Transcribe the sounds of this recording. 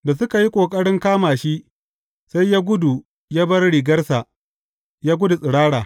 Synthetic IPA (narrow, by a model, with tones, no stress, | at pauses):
da˨sʊ˦ka˨ji˦kʷʼoː˨kʼɐ˦ɽɪ˦ŋkaː˦maː˨ʃi˦ʔ | sa˦jjaː˦ɡʷʊ˦du˨ | jaː˦bɐ˦rɽiː˨ɡɐ˦rsa˨ʔ | jaː˦ɡʷʊ˦du˨sʼɪ˨ɽaː˦ɽaː˨